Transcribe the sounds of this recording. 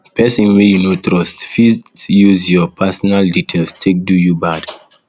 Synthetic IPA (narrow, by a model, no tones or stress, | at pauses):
pʰɛsĩnwejunotɹɔstfijuzjɔpʰɛsɔnalditʰelstʰek̚dujubad